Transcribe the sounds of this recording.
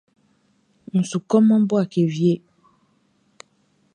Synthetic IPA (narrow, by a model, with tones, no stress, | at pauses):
ŋ̩˨su˨kɔ˦mɔ̃˦bo˦a˨ke˨vje˦